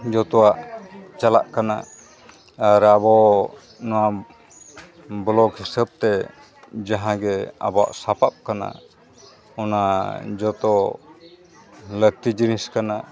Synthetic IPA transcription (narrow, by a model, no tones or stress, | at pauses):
d͡ʒɔt̪ɔwaʔt͡ʃala̰ʔkana̰ː | ɾabɔ | nɔwa | blɔɡɦisəb̚t̪ɛ | d͡ʒaɦãɡɛa̰bɔa̰ʔsapap̚kana̰ | ɔnad͡ʒɔt̪ɔ | lət̪id͡ʒɾĩskana